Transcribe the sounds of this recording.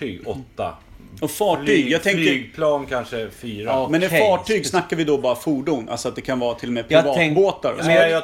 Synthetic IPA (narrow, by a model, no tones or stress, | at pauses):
yːɡɔt̪ːa̰ | ɔfɑːyːɡjɑːɡt̪ʰɛŋkəpʰlɑːnkʰanʂəfyːɾamɛnɛfɑːʈʰyːɡsnakːaɾvɪd̪ɔbɑːɾafuːɖunʔa̰lsɔat̪̚d̪ɛkʰanvɑːɾat̪ʰɪlːɔmɛpʰɾɾɪvɑːt̪boːt̪aɾ̰s